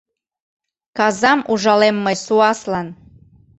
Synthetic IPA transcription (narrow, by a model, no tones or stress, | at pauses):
kɑzɑmʔuʒɑlemːəjsuɑslɑn